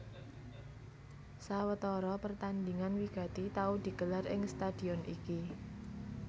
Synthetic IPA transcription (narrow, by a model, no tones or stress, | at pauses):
sawət̪ɔɾɔpərt̪and̪iŋanwiɡ̥ä̤t̪it̪aud̪̥i̤ɡ̥ə̤larɪŋst̪ad̪̥i̤ɔnʔiki